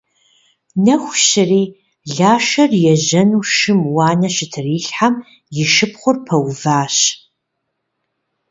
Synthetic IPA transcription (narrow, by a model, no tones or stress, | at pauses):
nɐxʷʃɪriː | ɮaːʃɐrjɛʑɐnuːʃɨmwɑːnɐʃɪtʰɨriːɬħam | jɪʃɨp̚χʷʊrpʰɐwvaːɕ